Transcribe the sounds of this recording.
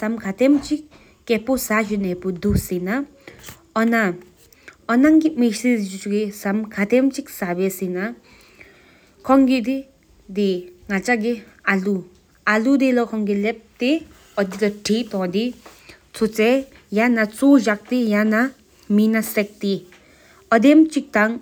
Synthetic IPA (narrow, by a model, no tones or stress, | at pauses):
samkʰat̪emt͡ʃik | kːɛposaʃinɛpud̪usina | ɔna | ɔnaŋɡimeʃizid͡ʒut͡ʃuɡisamkʰat̪emt͡ʃik̚sabesina | kʰɔŋɡid̪i | d̪iŋat͡ʃaɡealu | alud̪elɔkʰɔŋɡilep̚t̪e | ɔd̪id̪ɔʈʰit̪ɔ̃d̪i | t͡sʰut͡se | janat͡sod͡ʒak̚t̪ijana | minasek̚t̪i | ɔd̪emt͡ʃik̚t̪aŋ